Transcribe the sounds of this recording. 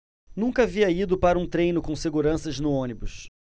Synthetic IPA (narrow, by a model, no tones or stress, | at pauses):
nũkɐaviɐid̪ʊpaɾɐũt̪ɾẽjnʊkõseɡuɾɐ̃sɐznʊõnibʊs